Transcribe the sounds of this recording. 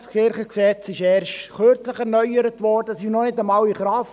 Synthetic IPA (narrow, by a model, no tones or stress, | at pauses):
skɪɾχəksɛt͡sɪʃɛːɾʃtχøɾt͡sləχɛɾnœʏəɾətʋɔːdəsɪʃnɔnɪdɑmɑwiχɾɑːf